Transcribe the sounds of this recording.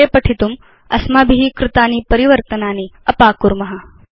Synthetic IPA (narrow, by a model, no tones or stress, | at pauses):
eːpɐʈʰit̪um | ɐ̰smaːbʱiɦikɾɪt̪aːnipɐɾiʋɐɾt̪ɐnaːniɐpaːkuɾmɐɦɐ